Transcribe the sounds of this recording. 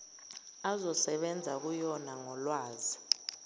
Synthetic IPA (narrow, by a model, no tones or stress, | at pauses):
azɔsɛɓɛnd͡zʱak̬ujɔnaŋɔlwaːzi